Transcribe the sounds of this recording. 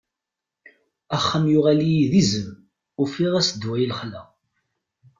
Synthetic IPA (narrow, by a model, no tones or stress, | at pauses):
æχːəmjʊʁælijiðizəm | ʊfiʁæsd̪wæjəlχlæ̰